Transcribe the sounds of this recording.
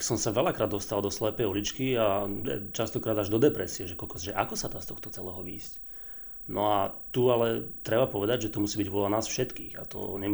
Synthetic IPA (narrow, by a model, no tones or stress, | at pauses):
sɔmsaʋɛlakɾaːd̪ɔst̪ald̪ɔslɛpɛjɔlit͡ʃkiajɛ̰t͡ʃast̪ɔkɾaːd̪aʒd̪ɔd̪ɛpɾɛsiɛʒɛkɔlkɔʒɛʔakɔsad̪aːst̪ɔxt̪ɔt͡sɛlɛːɦɔʋiːsc | nɔat̪ualɛt̪ɾɛbapɔʋɛd̪aɟʒɛt̪ɔmusiːbiɟʋʊɔlanaːsfʃɛt̪kḭːɣa̰t̪ɔ̰ɲɛm